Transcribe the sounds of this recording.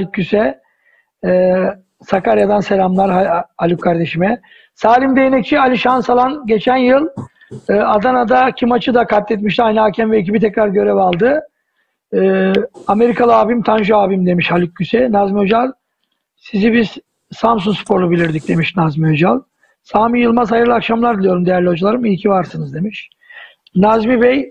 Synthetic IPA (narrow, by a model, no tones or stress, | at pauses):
halʲikʰːysɛ | sakaɾjad̪anse̞lʲamlˠaɾahalʲukkʰaɾd̪e̞ʃimɛ | saːlʲimd̪e̞jinɛc̚t͡ʃʰialʲiʃansalˠanɟe̞t͡ʃʰænjɯlˠ | ɯːad̪anad̪acʰimat͡ʃʰɯd̪akʰat̪ːɛt̪̬miʃ̬t̪ʰiajnɯacʰɛmvɛːcʰibit̪ʰɛcɾaɾɟø̞ɾɛvalˠd̪ɯ | ame̞ɾikʰalˠɯaːbimt̪ʰanʒuaːbimd̪e̞miʃhalʲik̚ɟysɛnazmiod͡ʒalˠ | sizibiz̥ | samsuŋkspʰo̞ɾlˠubilʲiɾd̪ic̚d̪e̞miʃnazmiod͡ʒalˠ | saːmijɯlˠmazhajɯɾlˠakʃamlˠaɾd̪ilʲˠijo̞ɾumd̪e̞jæɾlʲihod͡ʒulˠaɾɯmilʲcʰivaɾsɯnɯzd̪e̞miʃ | nazmivɛj